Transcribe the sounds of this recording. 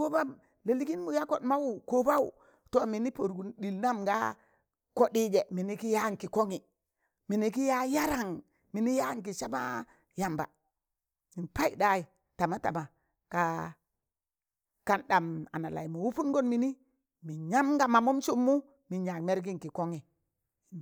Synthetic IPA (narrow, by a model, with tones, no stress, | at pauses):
ko˦ba˦m | le˨li˦ki˦nmu˨ja˦ko˨dma˦wu˨ko˦ba˦wṵ˨ | to˦mi˨˦ni˦po˨ɾɡu˨nɗi˨lna˦mɡa̰˦ | ko˦di˦d͡ʒe˨mi˨ni˦ki˦ja˦˨ŋ˨ki˨ko˦ŋi˨ | mi˨ni˨ki˦ja˦ja˦ɾa˨ŋ | mi˨ni˦ja˦ŋk̬i˨t͡ʃa˦ma̰˦ | ja˨mba̰˨ | mi˨npa˦jḭ˦˨da˦i˨ | ta˨ma˦ta̰˨ma˨ | ka˨ | ka˨nɗa˨ma̰˨na˨la̰˨jmo˨wu˦pu˦nɡo˦nmi˨ni˦ | mi˨ɲa˦mɡa˨ma˨mu˦mt͡ʃu˦mːu˦ | mi˨ɲa˨kme˦ɾɡi˦ŋki˨ko˦ŋi˨